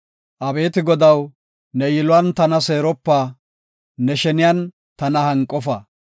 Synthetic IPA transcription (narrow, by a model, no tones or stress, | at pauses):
ʔɐbe̞ːt̪ɪɡɔd̪ɐw | nɛjɪlʊwɐnt̪ɐnɐseːɾɔpːaː | nɛʃɛnɪjɐn | t̪ɐnɐhɐŋkʼːɔfɐ